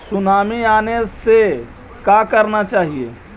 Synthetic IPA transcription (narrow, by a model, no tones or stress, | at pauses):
sʊnaːmiaːnese | kakəɾnat͡ʃaːɦieː